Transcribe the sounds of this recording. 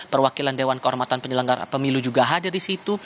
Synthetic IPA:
pərwakilandewankəɦɔrmat̪anpəɲələŋɡarpəmilud͡ʒuɡaɦadirisit̪u

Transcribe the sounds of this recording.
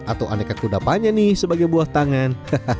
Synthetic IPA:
at̪awʔa̰nakakudapaɲanɪhsəbaɡajbuaht̪aŋanhə

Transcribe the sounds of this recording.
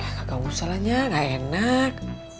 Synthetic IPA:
akakawusalaɲaŋaenak̚

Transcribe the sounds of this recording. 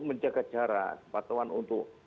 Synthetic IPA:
məɲd͡ʒaɡat̚d͡ʒaɾa̰səpat̪uwanunt̪ʊk

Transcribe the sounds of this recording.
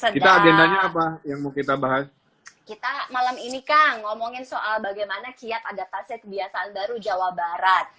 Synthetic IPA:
sədkit̪aːɡendaɲaːp̬ajaŋmukit̪abaɦas | kit̪amalaminikaŋŋomɔŋɪnsoʔalbaɡajmanakiat̪adafasakəbiasaʔːnbaɾud͡ʒawabaɾat̪̚

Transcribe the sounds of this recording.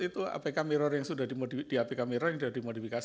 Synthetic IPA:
it̪ua̰pakameɾɔrjaŋsudahdimodid̥iapikameɾɔrjaŋdadimodifika

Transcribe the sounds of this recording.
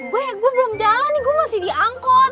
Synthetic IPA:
ɡuɛɡuabəlʊmd͡ʒalanːiɡuamasɪhdiʔaŋkɔ

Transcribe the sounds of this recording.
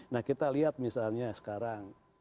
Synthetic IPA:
nahkit̪aliat̪̚misalɲasə̥kaɾaŋ

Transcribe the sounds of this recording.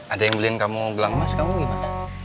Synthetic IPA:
ʔadajaŋbəlinkamuɡəlaŋmaskamuɡima

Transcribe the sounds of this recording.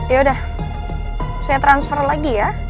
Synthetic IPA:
jaudah | sajat̪ɾansfərlaɡija

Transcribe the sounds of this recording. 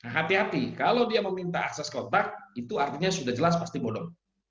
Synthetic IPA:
aɦat̪ihat̪ikalawdiaməmint̪aaksaskɔt̪ak̚it̪uart̪iɲasudahd͡ʒəlas̬past̪ibodɔŋ

